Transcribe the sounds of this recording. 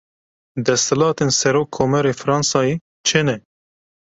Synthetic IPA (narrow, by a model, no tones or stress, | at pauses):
d̪ɛst̪ʰɪlɑːt̪eːnsɛɾoːkʰːoːmɛɾeːfɾɑːnsɑːjeː | t͡ʃʰɨnɛ